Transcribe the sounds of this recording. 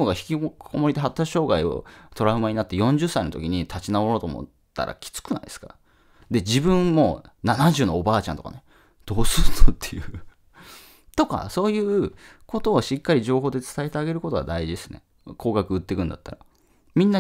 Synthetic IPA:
oɡaçi̥kʲikʰo̞mo̞ɾʲit̪eɦat̪ːakɕo̞ːɡaio̰t̪o̞ɾaɯmaɲ̟inat̪ːe̞jõ̞ɲ̟d͡ʑɨsːaino̞t̪o̞kʲiɲ̟it̪ʰat͡ɕinaoɾoːt̪o̰mo̰ | t̪ːa̰ɾʔa̰kʲi̥t͡sɨ̥kɯ̟na̰ḭd̪e̞skaɾa | d̪e̞d͡ʑibɯ̟̃mːo̞ | nanaʑɨːno̞ːbaːt͡ɕãnt̪oka̰ne | d̪̥o̞ːsɨɾt̪ːot̪ʰːe̞̥jɯ̟ | t̪o̞ka̰so̞ːjɯ̟ːko̞t̪o̞ːɕikːaɾʲiʑo̞ːɦo̞ːd̪e̞t͡sɨ̥t̪aet̪eaɡe̞ɾɯ̟kot̪o̞ɡa̰d̪aiʑid̪esɨnḛ | kʰo̞ːɡakɯ̟ɯt̪ːe̞kɯ̟̃nd̪a̰t̪ːaɾa | mʲĩnːa

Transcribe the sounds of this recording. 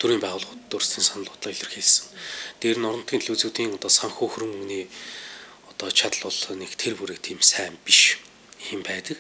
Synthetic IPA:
t̪ʰuɾiːmpæːʁʊːɮχʊt̪t̪ːɵrst̪ʰiːnsanə̆ɮʊːt̪ɮaːiɮʲɪ̆rxeɮsɘ̥̆ŋt̪eːɾɘ̆nɔɾɞ̆n̥t̪ɡiːnɮuːt͡suːt̪iːŋɔt̪ɔːsaŋxoːxɵɾɵ̆ŋɵŋɡniː | ɔt̪ɔːt͡ɕʰat̪ə̆ɮɔɮnekt̪ʰerpuɾeːk̚t̪ʰiːmsæːmpiʃ | xempæːt̪ə̆k

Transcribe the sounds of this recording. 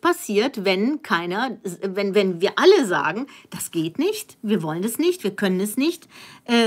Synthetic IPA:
pasiːɐtvɛnkʰaɪnɐvɛnvɛnviːɐʔaləza̰ːɡŋ̩d̥asɡ̥eːtnɪçtviːɐvɔlənɛsnɪçtv̥iːɐkʰœnənɛsnɪçtʔɛː

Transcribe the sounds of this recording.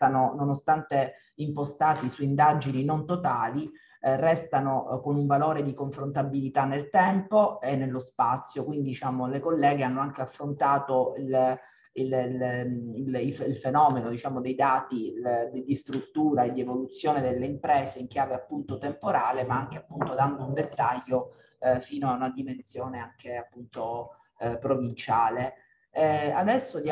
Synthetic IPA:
sanononost̪ant̪e | impost̪aːt̪isuind̪ad͡ʒininont̪ot̪aːli | rɛst̪anokonuɱvaloːɾed̪ikoɱfɾont̪abːilit̪anːelt̪ɛmpoenːelːospat̪sːjokwind̪id̪it͡ʃaːmolekolːɛːɡeanːoaŋkeafːɾont̪aːt̪oil | illiliilfenɔːmenod̪it͡ʃaːmod̪ejd̪aːt̪id̪id̪ist̪ɾut̪ːuːɾaed̪ːievolut̪sːjoːned̪elːeimpɾɛːzeiŋk̟jaːveapːunt̪ot̪empoɾaːlemaaŋkeapːunt̪od̪and̪ound̪et̪ːaʎːo | fiːnoaunad̪imensjoːneaŋkeapːunt̪o | pɾovint͡ʃaːle | ad̪ɛsːod̪

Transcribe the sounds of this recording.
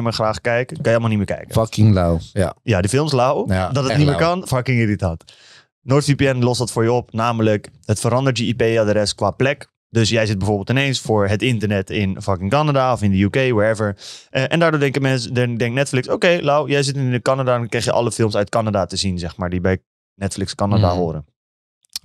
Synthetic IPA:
mɪːɹχraːχkɛjkəkɑnjlˠmalˠnimɪːɹkɛ̰jkə̰fkɪŋlawjadəfɪlˠmslawdɔtənimɪːɹkɑnfɑkɪŋɪritaːt | noːɹtfipiɛnlɔsdɑtfʊːɹjəɔpnaːmələkɦətfəɾɑndəɹtjəipeːadəɾɛst̚kʋaːplɛk | dɵsjɛjzɪt̚bɛjvoːɹbɪlˠtɪnejnsfʊːɹɦətɪntəɹnɛtɪnfɑkɪŋkɑnadaɔfɪndəjukejwatɛvəɹʔʔɛndaːdoːdɛŋkəkmɛnsddɛŋtnɛtflɪksowkejlawjɛjzɪtɪnəkɑnadankrɛjxjəʔɑ̰ləfɪlˠmsœɥt̚kɑnadatəzinzɛχmaːɹdibɛj | nɛtflɪkskɑnadaɦʊːɾən

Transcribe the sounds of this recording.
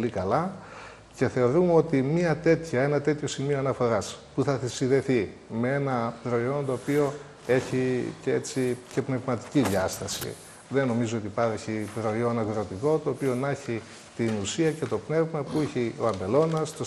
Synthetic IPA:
olikɐlɐ | ce̞θe̞o̞ɾumeo̞t̪imiɐt̪e̞t̪çɐe̞nɐt̪e̞t̪ço̞simioɐnɐfo̞ɾɐspuθɐθisiðe̞θimee̞nɐpɾo̞io̞nt̪o̞ːpio̞ | e̞çiceet͡sice̞pne̞vmɐt̪i̥ciðjɐst̪ɐsḭ | ðe̞no̞mizoot̪ipɐɾeçipɾo̞ionɐɣɾot̪iko̞t̪o̞ːpio̞nɐçi | t̪inusiɐce̞t̪o̞pne̞vmɐpuiçioɐmbe̞lo̞nɐst̪o

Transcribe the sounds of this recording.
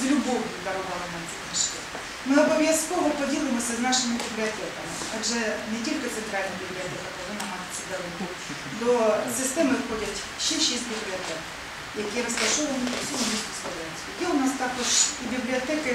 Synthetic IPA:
zlʲʊbɔɦjʊd̪ɐɾɔʋɑlˠɐnɐmt͡sʲit̪nɐʃt͡ʃɛ̰ | mɪɔbɔʋʲjɐskɔʋɔpɔdʲilˠɪmɔsʲɐznɑʃɪmɪbʲiblʲiɔt̪ɛk̪ɐmɪ̰aʒɛnetʲilʲkɪt̪sɛnt̪ɾɑlʲnɐbʲiblʲiɔt̪ɛk̪ɐkɐʋɪmɐɦɑt̪ɪ̥t͡sʲːɐd̪ɐlˠɛkʊ | d̪ɔsɪst̪ɛmɪwxɔdʲɐtʲ | ʃɛʃizʲbʲiblʲiɔt̪ɛk | jɐkʲiɾɔst̪ɐʃɔʋɐnʲiusʲiɦʊmʲisʲk̪ʊspɐd̪ɛnʲt̪ʲiʋʲɐkɛʊnɑst̪ɑkɔʒibʲiblʲiɔt̪ɛkɪ

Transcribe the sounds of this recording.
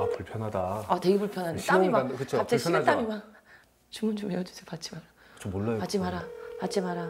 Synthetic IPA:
apuɭpʰjʌnɦadaatwe̞ɡepuɭpʰjʌnɦaɲeɕt͈amimankɯt͡ɕʰoat͡ɕ͈eeat͈amimaŋ | t͡ɕumunt͡ɕomejʌd͡ʑu̥sʰejpat͡ɕ͈ʰimaɾa | ɯt͡ɕʰomolːajopat͡ɕ͈ʰimaɾapat͡ɕʰimaɾa

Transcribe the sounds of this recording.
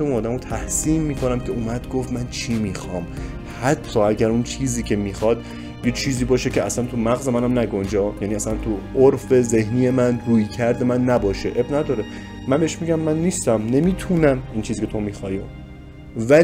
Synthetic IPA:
eunɒːd̪æmot̪ʰæhsiːmmiːkʰonæmcʰeuːmæd̪ɡoft̪mænt͡ʃʰimiːxɒːm | hæt̪ʰːɒːæɟæɾunt͡ʃʰiːziːcʰe̞miːxɒd̪̥̚ | bijɒd̪̚t͡ʃʰiːziːbɒːʃecʰeæ̰sænt̪ʰumæɣzemænæmnæɡond͡ʒɒːjæniːæsænt̪ʰuoɾfe̞ze̞hniːjemænɾuːjcʰæɾd̪e̞mænːæbɒːʃeʔebnæd̪ɒːɾe | mænbe̞eʃmiɟæmːænːiːst̪æmne̞miːt̪ʰunæmiːnt͡ʃʰiziːcʰe̞t̪o̞miːxɒːjo | væ

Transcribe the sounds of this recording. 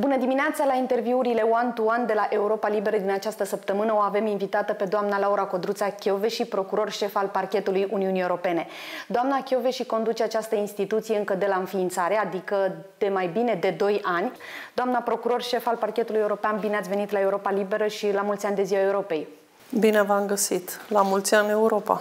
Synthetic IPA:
bunəd̪iminat̪salaint̪e̞rviuɾile̞oant̪uand̪e̞laʔe̞uɾopalibe̞ɾəd̪inat͡ʃast̪əsəpt̪əmɨnəoave̞minvit̪at̪əpe̞d̪oamnalauɾako̞d̪ɾut̪sakʲoveʃipɾo̞kuɾo̞rʃe̞falparkʲe̞t̪ulujʔuniunieuɾo̞pe̞ne̞ | d̪oamnakʲo̞ve̞ʃiko̞nd̪ut͡ʃeat͡ʃast̪əinst̪it̪ut̪sijeɨŋkəd̪e̞laɨnfiːnt̪saɾead̪ikə | d̪̥emajbine̞d̪e̞d̪o̞janʲ | d̪oamnapɾo̞kuɾo̞rʃe̞falparkʲet̪ulujeuɾo̞peanbineat̪sve̞nit̪lae̞uɾo̞palibe̞ɾəʃilamult̪sʲanʲd̪e̞ziwaeuɾo̞pe̞j | bine̞vamɡəsit̪lamult̪sʲiane̞uɾo̞pa̰

